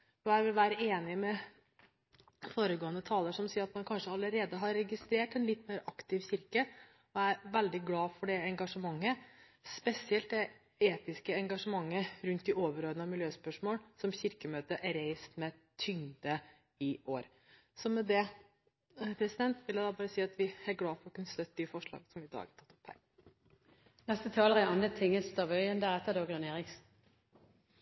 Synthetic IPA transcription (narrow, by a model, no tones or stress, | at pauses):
ɔæɾʋɪlʋæːɾəeːnɪmɛ | foːɾəɡoːənət̪ʰɑːləʂɔmsiːɾɑt̪mɑnkʰɑnʂəɑləɾeːd̪əɦɑɾɛɡɪst̪ɾeːʈɛnlɪt̪ːmeːɾɑkt̪ɪʋçɪɾkə | ɔæɾʋɛld̪ɪɡlɑːfɔɖɛɛŋɡɑʂəmɑŋːə | spɛsɪɛlt̪̚d̪ɛ | eːt̪ɪskəɛŋɡɑʂəmɑŋːəɾʉnt̪̚d̪ɪoːʋəɾoːd̪ənɑmɪljøːspœʂmoːlsɔmçɪɾkəmøːt̪əʔæɾeɪst̪mɛt̪ʰʏŋd̪ə | ɪoːɾ | sɔmɛd̪ɛ | pʰɾɛsɪd̪ɛnt̪ʋɪljæɪd̪ɑbɑːɾəsiːɑt̪ʋɪæɡlɑːfɔɾɔkʉnːəst̪œt̪ːəɪfɔʂɭɑ̰ːɡəsɔmʋɪɪd̪ɑ̰ːɡɑɾt̪ʰɑ̥t̪ːɔ̥phæ̰ːɾ | nɛst̪ət̪ʰɑːləʁɛɑnət̪ʰɪŋːəst̪ɑʋœʏənd̪æʁɛt̪ːəd̪oːɡ̪əneːʁɪks